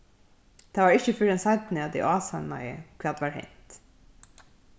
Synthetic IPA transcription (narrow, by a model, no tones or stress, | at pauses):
t̪ʰaːʋaːɹɪçəfʏɾɛnsaɪt̪nɪad̪ɛ̰ʔɑːsanma̰jə̰kʰvɛːt̪ʋaːɹhɛ̰n̥t̪